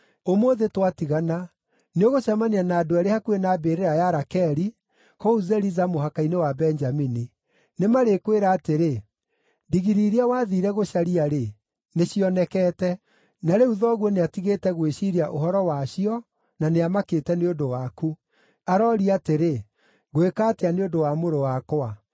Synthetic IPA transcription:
omoðetwatiɣana | neoɣoɕamanianaːdoaɾehakuenabeɾeɾajaɾakɛɾi | kɔuzɛɾizamoɦakainewabɛnd͡ʒamini | nemaɾekweɾaːteɾe | diɣiɾiɾiawaðiɾɛɣoʃaɾiaɾe | neɕiɔnɛkɛːtɛ | naɾeuðɔɣwɔneatiɣeːtɛɣweʃiɾiaʔoɦɔɾɔwaɕiɔ | naneamaketɛneondowaku | aɾɔɾiateɾe | ɣoekaːteaneondowamoɾowakoa

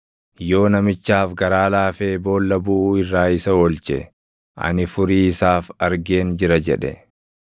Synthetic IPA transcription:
jo̞ːnɐmɪt͡ʃːaːfɡɐɾaːlaːfeːbo̞ːlːɐbʊʔɪrːaːɪsɐɔlt͡ʃɛ | ʔɐ̰nɪfʊɾiːsaːfɐɾɡeːnd͡ʒɪɾɐd͡ʒɛᶑɛ̰

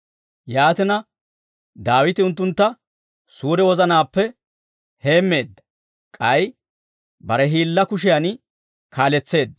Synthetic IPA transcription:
jaːt̪ɪnɐ | d̪aːwɪt̪ɪʊnt̪ːʊnt̪ːɐ | suːɾɛwɔzɐnaːpːɛ | he̞ːmːe̞ːd̪ːɐ | kʼɐj | bɐɾɛɦiːlːɐkʊʃ̬ɪjan | kʰaːlɛt͡sːe̞ːd̪ːɐ

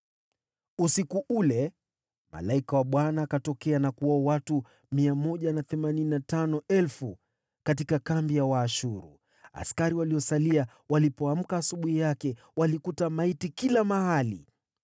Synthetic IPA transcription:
usikuʔulɛ | ma̰laikawaɓwanaːkatɔkɛanakuɔːwatu | miamɔʄanaθɛmanininatanɔɛlfu | katikakambijawaːʃuɾṵ | a̰skaɾiwaliɔsalia | walipɔam̩kaːsuɓuhijakɛ | walikutamaitikilamahalḭ

